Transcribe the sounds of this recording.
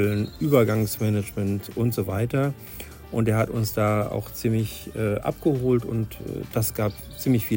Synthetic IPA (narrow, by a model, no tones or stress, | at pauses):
lnʔyːbɐɡaŋsmɛnəd͡ʒmɛntʊntz̥ovaɪtɐ | ʔʊntdeːɐɦhatʊnsd̥aːa̰ʊxt͡siːmlɪçʔɛːʔa̰p̚ɡ̥əhoːltʊntɛ̰ːd̥asɡ̥aːp | t͡siːmlɪçfiː